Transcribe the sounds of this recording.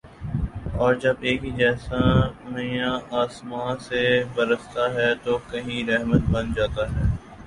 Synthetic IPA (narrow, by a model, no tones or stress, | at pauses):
ɔːɾd͡ʒɐbeːkɦid͡ʒɛːsamɐjãaːsmãːsebɐɾəst̪aɦɛːt̪okɐɦĩɾɛɦmət̪bɐnd͡ʒaːt̪aɦɛː